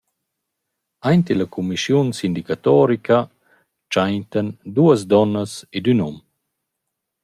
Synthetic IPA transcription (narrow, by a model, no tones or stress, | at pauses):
ajnt̪ilakumiʃjunsind̪ikat̪ɔːɾikʰa | t͡ʃajnt̪and̪uːəz̬d̪ɔnːəsed̪ynɔm